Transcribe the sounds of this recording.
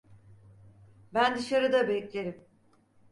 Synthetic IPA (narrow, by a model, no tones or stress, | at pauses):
bænd̪ɯʃaɾɯd̪abɛclʲe̞ɾim